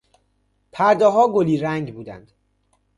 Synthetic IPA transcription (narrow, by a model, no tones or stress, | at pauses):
pʰæɾd̪ɒːɦɒːɡoliːɾæŋɟbuːd̪æ̰nd̪̥